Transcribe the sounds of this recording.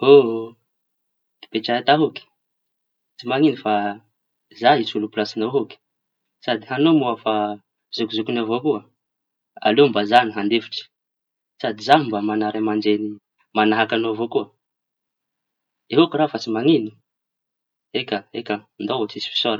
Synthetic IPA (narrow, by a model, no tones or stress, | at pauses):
o | d̪̥i̥pet͡ʃaat̪aɦuki̥ | t͡simaŋinifa | zait͡sulupulasinoɦoki̥ | sad̪iɦanomoafa | z̥ukuzukunavokuə | a̰lembazaniɦand̪efi̥ʈ͡ʂi̥ | sad̪izaimbamanaɾamand͡ʒeni | manaɦakanovokuə | eɦokurafat͡simaŋinu̥ | ekaekand̪oot͡sisi̥fi̥soɾ